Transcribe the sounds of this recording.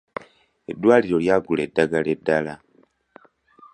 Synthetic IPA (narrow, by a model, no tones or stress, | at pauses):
edwaːliɾo̞ljaɡule̞daɡale̞dala